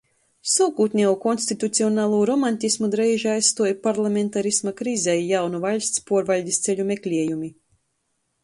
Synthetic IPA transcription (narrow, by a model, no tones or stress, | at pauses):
suwkuːt̪ʲnʲiɛukɔnsʲt̪it̪ut̪siɔnaːlˠuːɾɔmanʲt̪ʲismud̪ɾɛjʒajst̪uɔjpaɾlˠamʲent̪aɾismakɾizɛjjawnuvalʲst̪spuɔɾvalʲd̪ʲist̪sʲelʲumʲeklʲiɛjumi